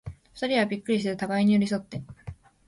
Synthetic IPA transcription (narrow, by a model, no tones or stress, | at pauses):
ɸɯ̥t̪aɾʲiβabʲikːɯ̟ɾʲis̬eɾɯ̟t̪aɡaiɲ̟ijoɾʲis̬o̞t̪ːe̞